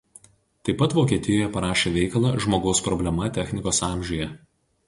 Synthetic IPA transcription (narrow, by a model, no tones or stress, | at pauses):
t̪ɐɪpːɐt̪ʋoːkʲiɛt̪ʲɪjɔːjɛpɐɾɑːʃʲeːʋʲɛɪkɐlˠɑʒmoːɡɒʊspɾɔbʲlʲɛmɐt̪ʲɛxʲnʲɪkoːsɑˑmʲʒʲʊjɛ